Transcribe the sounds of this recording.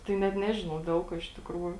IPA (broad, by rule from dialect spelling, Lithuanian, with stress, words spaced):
tɐɪ nʲɛt ˈnʲæːʒʲɪnɐʊ ˈdʲɛlˠ kuɔ ɪʃ tʲɪkˈruːjʊ